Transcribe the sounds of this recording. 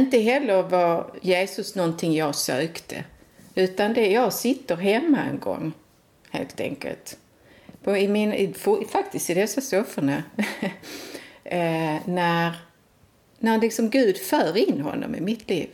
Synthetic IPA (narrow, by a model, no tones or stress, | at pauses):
ɪnt̪əɦɛlːəɾvɑjeːsɵsnɔnt̪ʰɪŋjɑɡsøːkt̪ʰə̰ | ʉ̟ːt̪and̪ɛjɑɡsɪt̪ːəɾɦɛmːaɛ̰nɡɔ̰ŋː | hḛːlt̪ʰɛ̰ŋkə̰lt̪ | pʰɔɪmɪnɪfʊfak̚t̪ɪst̪ɪd̪ɛsːasɔfəɳa | næɾ | næɾlɪksɔmɡʉ̟ːd̪fœːɾɪnːhɦɔ̰nːɔ̰mɪ̰mɪt̪ʰlḭːv